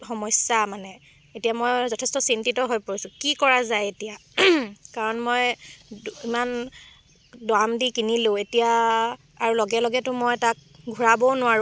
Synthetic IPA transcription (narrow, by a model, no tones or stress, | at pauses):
xɔmɔjsjamanɛ | etijamojzɔtʰɛstɔsintitɔɦojpoɹisʊ̃kikɔɹazajetija | kaɹɔnmoj | iman | dwamdikinilʊ̃etija | aɹulɔɡɛlɔɡɛtʊmojtak̚ | ɡʱuɹabɔnʊwaɹu